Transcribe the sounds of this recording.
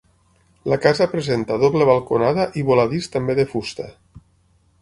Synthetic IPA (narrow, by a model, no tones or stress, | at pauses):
lakazapɾezent̪aðoβleβ̞alˠkonaðaʔiβolaðist̪ambeðefust̪a̰